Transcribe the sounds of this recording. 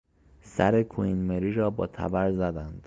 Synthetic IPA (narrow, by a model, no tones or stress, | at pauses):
sæ̰ɾekʰoinmeɾiːɾɒːbɒːt̪ʰæ̰bæɾzæd̪ænd̪̥